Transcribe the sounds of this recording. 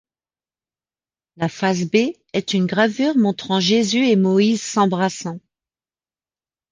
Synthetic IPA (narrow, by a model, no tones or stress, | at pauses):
lafas̬be | ɛt̪ynɡʁavyʁmɔ̃t̪χɑ̃ʒezyemɔizsɑ̃bʁasɑ̃